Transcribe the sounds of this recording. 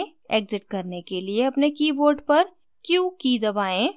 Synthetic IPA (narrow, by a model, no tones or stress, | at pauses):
eːɡzɪʈ̚kɐɾnekelieɐpnekiːboːɾɖpɐɾ | kjuːkiːd̪ɐbaːẽː